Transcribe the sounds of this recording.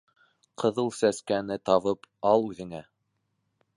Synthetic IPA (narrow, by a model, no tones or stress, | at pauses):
qʰɤ̆ðɤlˠsæskænɘt̪ɑβɤpɑlˠʉðɘ̆ŋæ